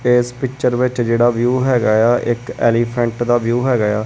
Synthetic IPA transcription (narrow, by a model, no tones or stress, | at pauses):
eːspɪkt͡ʃəɾʋɪt͡ʃd͡ʒeːɽaːʋjuːɦɛːɡaːjaːʔɪkɛ̰ːliːpʰə̃ɳʈd̪aːʋjuːɦɛːɡəjaː